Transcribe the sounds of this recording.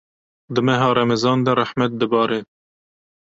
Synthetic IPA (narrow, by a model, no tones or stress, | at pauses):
d̪ɨmɛɦɑːɾɛmɛzɑːnd̪ɛɾaħmæt̪̚d̪ɨbɑːɾeː